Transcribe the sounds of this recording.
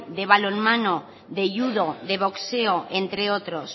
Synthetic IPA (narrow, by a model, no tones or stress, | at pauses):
d̪e̞β̞alonmano | ðeʝuðoðe̞β̞okseoʔent̪ɾeot̪ɾos